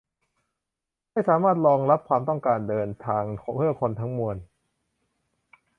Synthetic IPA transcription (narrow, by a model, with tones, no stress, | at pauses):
ma˥˩jsaː˩˦maː˥˩t̪̚ɾɔː˧ŋɾa˦˥p̚kʰwaː˧mt̪ɔ˥˩ŋkaː˧ndɤː˧nt̪ʰaː˧ŋ˧pʰɯ˥˩ɐkʰo˧nt̪ʰa˦˥ŋmu˧ən